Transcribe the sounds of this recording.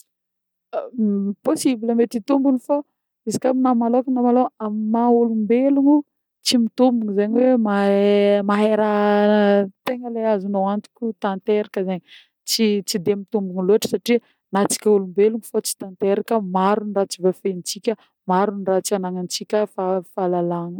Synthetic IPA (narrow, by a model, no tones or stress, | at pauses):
posibiləmet̪it̪umbunifa | izi̥kʲaminamalokunamaloammaulumbeluŋu | t͡simit̪umbuŋizeɲiwemamaɦeɾa | t̪eŋəleazinowant̪i̥kʲut̪ãnt̪eɾakəzeɲi | t͡sit͡sid̪emit̪umbuŋiluaʈ͡ʂə̥saʈ͡ʂi | nat͡si̥kʲaulumbeluŋufat͡si̥t̪ãnt̪eɾakəmaɾunrat͡sivafent͡sikʲə | maɾunrat͡sianaŋant͡sikʲəfafalalaŋə